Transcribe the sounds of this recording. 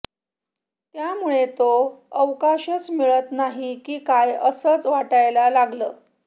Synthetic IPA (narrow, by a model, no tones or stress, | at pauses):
t̪jamuɭet̪oəʋkaɕət͡smiɭət̪naɦikiːkajəsət͡sʋaʈajlalaɡləː